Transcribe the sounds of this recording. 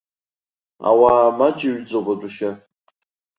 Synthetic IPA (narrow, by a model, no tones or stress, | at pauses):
a̰wamad͡ʒʼiɥd͡zʼobadʷuχʲa